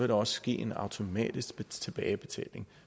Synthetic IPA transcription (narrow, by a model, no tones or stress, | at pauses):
eɾɒ̽sɡ̥ḭːe̝nɑ̈ʊt͡sʰo̝mɛ̰ːd̥isɡ̥b̥t͡sʰe̝b̥ɛːɪb̥e̝t͡sʰɛ̰ːle̝ŋ